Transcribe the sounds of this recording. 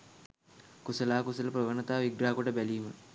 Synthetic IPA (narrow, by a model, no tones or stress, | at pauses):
kusəlaːkusələprəʋənɐt̪aːʋiɡɾaːkoʈəbæliːmə